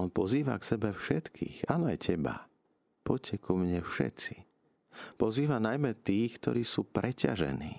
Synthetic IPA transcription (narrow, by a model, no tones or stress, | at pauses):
ɔnpɔziːʋa̰ksɛbɛfʃɛt̪kʰḭːxaːnɔajcɛba̰ | pɔcʰɛkumɲɛfʃɛ̰t̪t͡si̥ | pɔziːʋanajmɛt̪iːxkt̪ɔ̰ɾiːsuːpɾʔɛca̰ʒɛ̰niː